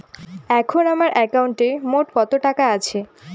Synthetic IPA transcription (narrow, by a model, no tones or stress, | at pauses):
ɛkʰonamaɾʔɛkawuɳʈemoʈkɔt̪oʈakaat͡ɕʰe